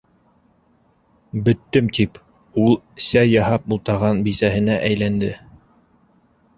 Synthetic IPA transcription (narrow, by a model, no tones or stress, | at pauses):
bɵ̆t̪ːɘmt̪ip | ulˠɘsæjːɑɦɑp̚bulˠt̪ɑɾʁɑnbisæhɘ̆næʔæjlænd̪ɘ